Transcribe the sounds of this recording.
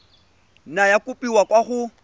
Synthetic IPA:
najakʊpʼiwakwaɣʊ

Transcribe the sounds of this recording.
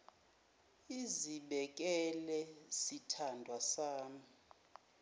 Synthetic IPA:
iziɓɛk̬ʼɛlɛsitʰandʱwasaːmi

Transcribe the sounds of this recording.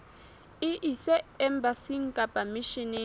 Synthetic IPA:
iʔisɛɛmbasiŋ̩kʼapʼamiʃini

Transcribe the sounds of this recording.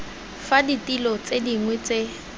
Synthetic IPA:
faditʼilɔt͡sediŋwɛt͡se

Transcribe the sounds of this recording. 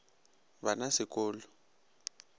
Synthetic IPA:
banasɪkʼɔːlɔ

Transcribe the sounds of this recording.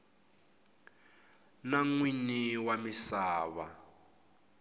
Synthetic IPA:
naŋwiniwamisaːβa

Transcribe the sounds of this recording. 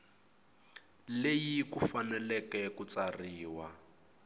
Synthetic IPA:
lejikufanɛlɛkɛkut͡sariːwa

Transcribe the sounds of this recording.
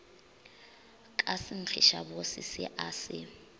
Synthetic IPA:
kʼasɪn̩t͡ɬʰiʃa̰bosɪsɪ̰ʔaːsɪ̰

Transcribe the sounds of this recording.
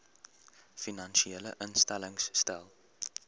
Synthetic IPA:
finɐnʃieːlə̰ʔənstæləŋsːtælˠ

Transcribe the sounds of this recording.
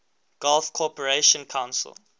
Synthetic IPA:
ɡ̥alfkʰɔpəɹeʃɔ̃nkʰãw̃nsə̰l

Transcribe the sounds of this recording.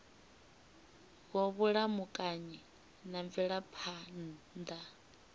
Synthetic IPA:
ɣɔβuɺamukʼaɲi | naɱviɺapʰan | d̪a

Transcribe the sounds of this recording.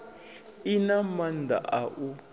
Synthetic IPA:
inamand̪ʱa̰ʔaʔu

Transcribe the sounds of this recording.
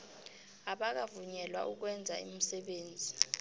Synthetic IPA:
aɓak̬avuɲɛlwa̰ʔuk̬wɛnd͡zʱaim̩sɛɓeːnd͡zʱi

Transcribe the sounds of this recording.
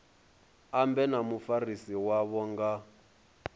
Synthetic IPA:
ambɛnamufarisiwaβɔŋɡa

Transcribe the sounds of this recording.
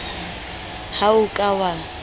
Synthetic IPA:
haʊkʼawa

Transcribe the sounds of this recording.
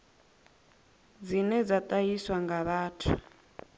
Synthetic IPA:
d͡zinɛd͡zat̪ʼajiswaŋɡaβaːtʰu

